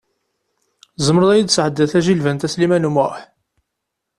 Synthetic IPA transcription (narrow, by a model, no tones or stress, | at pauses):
zəmɾəðˤæjid̪sʕəd̪ːæθæʒilvænt̪æslimænumʊħ